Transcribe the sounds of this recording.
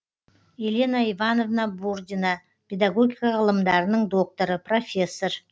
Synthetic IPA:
elʲe̞naivano̞vnabuɾd̪ʲina | pʰʲe̞d̪ɑɡo̞ɡʲijkɑʁəlˠəmd̪ɑɾənəɴd̪o̞k̚t̪oɾəpro̞fʲe̞sːo̞ɾ

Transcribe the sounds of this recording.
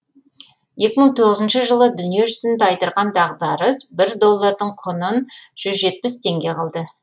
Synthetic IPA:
je̞kʲɪməɴt̪ʰo̞ʁəzənʃəʒəlˠəd̪ʏnije̞ʒʏzɪnd̪ɪɑjt̪əɾʁɑnd̪ɑʁd̪ɑɾəsbɪɾd̪o̞lˠːɑɾd̪əɴqʰʊnənʒ̥ʏzʒe̞t̪̚pɪst̪ʰe̞ŋɡʲe̞qʰɑlˠd̪ə

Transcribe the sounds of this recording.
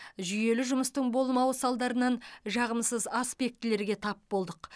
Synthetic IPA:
ʒʏje̞lɪʒʊməst̪əɴbo̞lˠmɑwəsɑlˠd̪ɑɾənɑnʒɑʁəmsəzaspʲe̞k̚t̪ɪle̞ɾɡʲe̞t̪ʰɑpbo̞lˠd̪əq

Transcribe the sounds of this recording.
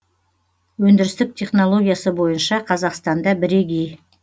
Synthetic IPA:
wɵnd̪ɪɾɪst̪ɪk̚t̪ʲʰe̞χno̞lˠo̞ɡʲijasəbo̞jənʃɑqʰɑzɑqst̪ɑnd̪ɑbɪɾe̞ɡʲej

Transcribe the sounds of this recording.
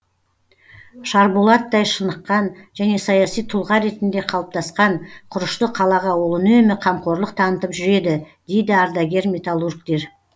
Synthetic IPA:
ʃɑɾbolˠɑt̪ːɑjʃənəqːɑnʒæne̞sɑjɑsijt̪ʰʊlˠʁɑɾe̞t̪ɪnd̪e̞qʰɑlˠəp̚t̪ʰɑsqɑɴqʰʊɾəʃt̪əqʰɑlˠɑʁɑwolˠənuemeqʰɑmqo̞ɾləqt̪ʰɑnət̪əpʒʏɾe̞d̪ɪ | d̪̥e̞jd̪ɪaɾd̪aɡʲe̞ɾmʲe̞t̪alˠurkt̪e̞ɾ

